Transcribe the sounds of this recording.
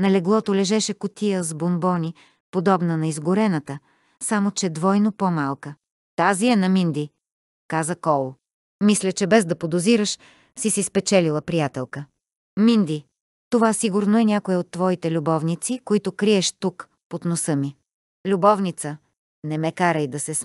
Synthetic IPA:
nɐlɛɡlˠɔt̪olɛʒɛʃɛkʊt̪ijəzbonbɔnʲi | pod̪ɔbnənɐizɡʊɾɛnət̪ə | samot͡ʃɛd̪vɔjnopomalˠkə | t̪aziɛnɐmind̪i | kazəkɔlˠ | mislʲət͡ʃɛbɛzd̪ɐpod̪oziɾəʃ | sisispɛt͡ʃɛlilˠəpɾijat̪ɛlˠkə | mind̪i | t̪ovasiɡʊɾnoɛnʲjakoɛot̪ːvɔit̪ɛlʲubɔvnit̪sikoit̪ʊkɾiɛʃt̪uk | pot̪nosɤmi | lʲubɔvnit̪sə | nɛmɛkaɾəjd̪ɐsɛs

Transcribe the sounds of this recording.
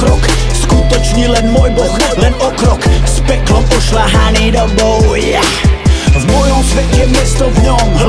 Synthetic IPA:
kɾɔk | skut̪ɔt͡ʃɲilɛnmɔjbɔxlɛnɔkɾɔkspɛklɔʔɔʃlaɦanid̪ɔbɔwja | vmɔjɔ̃msvɛt̪ɛmjɛst̪ɔvɲɔm

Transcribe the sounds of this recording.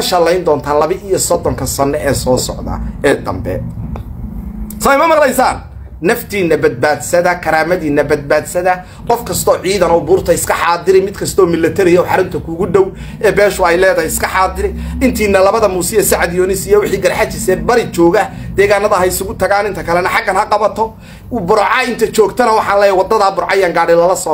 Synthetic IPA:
ʃɐlɛjnd̪ɔːnt̪ʰaːnlɐβɪʔijɔsɔd̪ɔŋkʰɐsɐnːɛʔɛːsɔːsɔ̰ʕd̪ɐ̰ɛːd̪ɐ̰mbɛ̰ | sɔjmɐmɐqlɛjsaːnː | ɐft̪ʰiːnːɐbɐd̪̚baːd̪sɐðɐkʰɐɾaːmɐðiːnːɐbɐd̪̚baːd̪sɐðɐ | qɔfkʰɐst̪ʰɔːʕiːðɐnɔʊbuːrt̪ʰɐɪskʰɐħɑːd̪ɪɾɪmɪd̪kʰɐst̪ʰɔːmɪlːɐt̪ʰɛɾɪjɔːħɑɾʊnt̪ʰɐkʰuːɣʊɖ̪ɔw | ʔɛːbɛːʃʊɛjlɛːðɐjɪskʰɐħɑːd̪ɪɾɪɪnt̪ʰiːnːɐlɐβɐðɐmuːsɪɛsɐʕad̪jɔːnɪsɪjɛwɪħiːɡɐɾħat͡ʃɪsɛːd̪̚bɐɾɪt͡ʃɔːɣɐ | d̪̥ɛːɣaːnːɐðɐɦɐjɪsʊɣʊt̪ʰɐɣaːnɪnt̪ʰɐkʰɐlɛnɐħɑɡɐnhɐqɑβɐt̪ʰɔ | bʊɾʕɑɪnt̪ʰɐt͡ʃɔːɡt̪ʰɐnɐwɑħɑːnlɛːjɐwɑd̪ɐðaːbʊɾʕɑjaːŋɡaːɽɪlɐlɐsɔː

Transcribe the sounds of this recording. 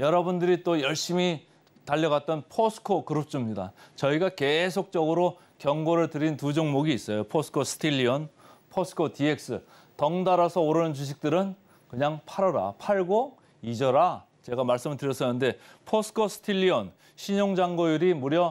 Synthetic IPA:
jʌɾʌbundɯɾit͈ojʌɭɕ͈imi | taʎːʌɣat̚t͈ʌnpʰosʰɯ̥kʰokɯɾɯp̚t͡ɕ͈ʰɯmɲida̰t͡ɕʌiɡake̞sʰok̚t͡ɕ͈ʌɡɯɾo | kjʌŋɡoɾɯɭtɯɾintud͡ʑʌŋmoɡiːs͈ʌjopʰosʰɯ̥kʰosʰɯ̥tʰiʎːiʌnpʰosʰɯ̥kʰotie̞k̚s͈ɯ̰ | tʌŋdaɾʌsʰʌoɾɯnɯnt͡ɕuɕ̬ʰik̚t͈ɯɾɯn | kɯɲaŋpʰaɾʌɾa̰pʰaɭɡo | id͡ʑʌɾa | t͡ɕe̞ɡamaɭs͈ɯmɯɭtɯɾjʌs͈ʌnːɯnde̞pʰosʰɯ̥kʰosʰɯ̥tʰiʎːiʌn | ɕʰiɲoŋd͡ʑaŋɡojuɾimuɾjʌ

